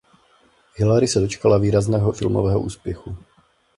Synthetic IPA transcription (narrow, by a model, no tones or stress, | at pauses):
hɪlaɾɪsɛdo̞t͡ʃkalaviːɾaznɛːɦofɪ̰lmo̰vɛːɦo̰ʔṵːspjɛxu